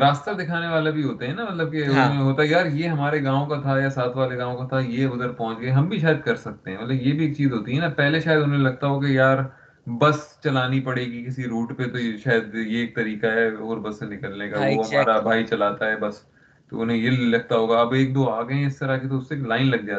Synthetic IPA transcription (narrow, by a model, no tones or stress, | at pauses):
ɾaːst̪ad̪ɪkʰaːneʋaːlabʱiɦoːt̪eɦɛ̃namɐt̪lɐb̚keʊmeeɦoːt̪aɛjaːɾjeɦɐmaːɾeɡãːõkat̪ʰajasaːt̪ʰʋaːleɡãːõkat̪ʰajeʊd̪əɾpɔɦʊ̃nt͡ʃɡɐeɦɐmbʱiʃ̬aːjəd̪̚kɐɾsɐk̚t̪eɦɛ̃mɐt̪ləbjebʱieːk̚t͡ʃiːzɦoːt̪iɦɛnapɛɦleʃaːjəd̪ʊnɦẽnlɐɡ̚t̪aɦok̬ejaːɾ | bɐst͡ʃɐlaːnipɐɽeːɡikɪsiɾuːʈpet̪oʃaːjəd̪jeːk̚t̪ɐɾiːkaɦɛoːɾbɐsːenɪkəlnekaʋoɦɐmaːɾabʱaːit͡ʃɐlaːt̪aɦɛbɐs | t̪o̰ʊnɦẽjelɐɡ̚t̪aɦoːɡaɐbeːk̚d̪oːaːɡɐẽɪst̪ɐɾaket̪oʊsːeːklaːɪnlɐɡ̚d͡ʒaːt̪